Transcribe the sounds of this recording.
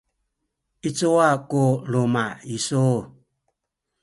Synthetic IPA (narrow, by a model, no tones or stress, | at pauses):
it͡sowakolomaiso